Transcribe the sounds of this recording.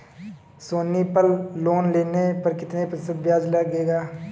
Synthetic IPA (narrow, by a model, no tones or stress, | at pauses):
soːniːpəlːoːnleːneːpəɾkɪt̪neːpɾsət̪̚bjaːd͡ʒləɡeːɡaː